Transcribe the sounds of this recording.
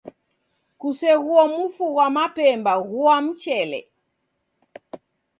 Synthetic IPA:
kusɛɣuɔmufuɣwamapɛmbaɣuam̩t͡ʃɛlɛ̰

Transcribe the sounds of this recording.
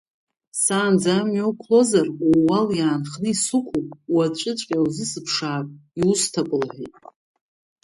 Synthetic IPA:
saːnd͡zamjowkʷʰlo̞zaruwaljaːnχnɨisukʷʰupʼwat͡ʃʷʼɪt͡ʃʷʼkʲʼawzɨsɨpʰʂaːpʼiustʰapʼɨlħʷejtʼ

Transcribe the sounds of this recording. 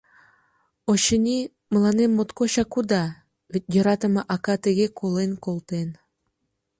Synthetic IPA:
oɕə̆nʲi | mə̆lɑnemːot̪koɕɑkud̪ɑ | βʲet̪̚ʲjɤ̆ɾɑt̪ə̆mɤ̆ʔɑkɑt̪ə̆ɣʲekʰolenkolˠt̪en

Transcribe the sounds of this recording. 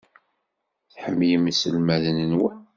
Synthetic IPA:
θħəmːjəmisəlmæðənənwæ

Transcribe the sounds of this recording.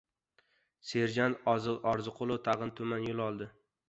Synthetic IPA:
seɾd͡ʒant̪ɒzɨlʔɒɾzɨqʰʊlˠʊt̪ʰɑʁɨnt̪ʰʊmanjʊlˠɒlˠd̪ɪ

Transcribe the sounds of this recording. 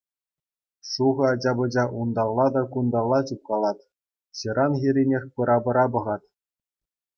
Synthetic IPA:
suʁɤ̆ɑd͡ʑɑbɤ̆d͡ʑɑʔund̪ɑlˠːɑd̪ɑkund̪ɑlˠːɑt͡ɕup̚kɑlˠɑt̪ | ɕiɾʔɑnxʲiɾʲinʲexʲpɯɾʔɑbɤ̆ɾɑbɤ̆ʁɑt̪

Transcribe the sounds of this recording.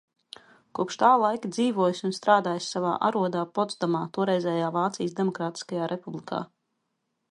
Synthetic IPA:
kuɔpʃt̪aːlˠajkid̪ziːvuɔjsʲunst̪ɾaːd̪aːjsʲsava̰ːʔa̰ɾuɔd̪aːpɔt̪sd̪amaːt̪uɔɾɛjzʲɛːjaːvaːt̪sḭjsd̪emɔkɾaːt̪i̥skajaːɾʔepublˠikʰa̰ː

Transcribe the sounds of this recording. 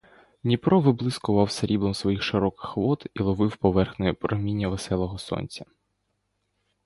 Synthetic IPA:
nʲipɾɔʋɪblˠɪskʊʋɑwsɐɾʲib̪ˠɔmsʋɔjixʃɪɾɔkɪ̥xʋɔt̪ilˠɔʋɪwpɔʋɛrxnɔjɛpɾɔɦmʲinʲːɐʋesɛlˠɔɦɔsɔ̰nʲt͡sʲɐ̥

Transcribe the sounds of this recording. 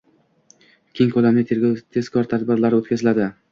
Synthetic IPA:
kʲʰeŋkʰɵlamnɪt̪ʰet̪ʰe̞z̥kʰɒɾt̪ʰad̪bɪɾlaɾɪot̪̚kʰʲazɪlad̪ɪ

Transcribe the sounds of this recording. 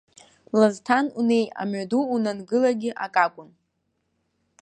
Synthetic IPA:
laztʰanune̞ja̰maduːnanɡɨlaɡʲɪʔakʼakʷʼʊn

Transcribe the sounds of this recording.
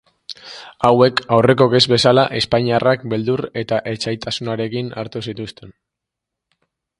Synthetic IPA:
awe̞kawre̞ko̞ke̞zβe̞salaʔe̞spaɲiarakbe̞ld̪ure̞t̪aʔe̞t͡ʃajt̪asunaɾe̞kina̰ɾt̪usit̪ust̪e̞n

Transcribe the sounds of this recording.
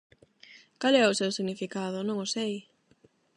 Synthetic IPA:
kalɛʊsewsiɣnifikaðʊnõŋosej

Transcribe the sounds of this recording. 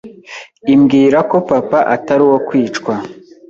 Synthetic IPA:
imɡiːɾako̞papaʔataɾiwo̞kwiːt͡ʃkwa

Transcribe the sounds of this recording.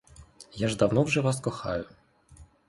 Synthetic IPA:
jaʐd̪awnɔwʐɛvaskɔxa̰jʊ

